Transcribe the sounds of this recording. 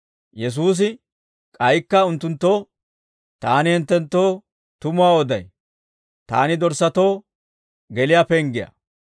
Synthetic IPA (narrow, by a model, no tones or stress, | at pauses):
jɛs̬uːs̬ɪ | kʼɐjkːɐʊnt̪ːʊnt̪ːo̞ː | t̪aːnɪhɛnt̪ːɛnt̪ːo̞ː | t̪ʊmʊwaːɔd̪ɐj | t̪a̰ːnɪd̪ɔɾsɐt̪o̞ː | ɡɛlɪjapɛŋɡɪjɐ̰